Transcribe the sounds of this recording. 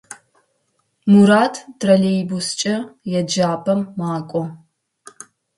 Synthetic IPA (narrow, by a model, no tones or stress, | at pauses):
muɾaːtʰtʰrɐɮejbust͡ʃʼɐjɛd͡ʒaːpʰɐmːaːkʷʼɔ